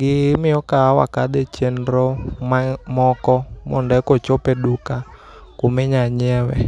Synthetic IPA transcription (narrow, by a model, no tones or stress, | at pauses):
ɡiimiɔkaawa̰kaɗ̪ɛt͡ʃɛnɾɔmamɔkɔmɔ̰ndɛkɔt͡ʃɔpɛɗuka | kumɛɲaɲɛwɛ̰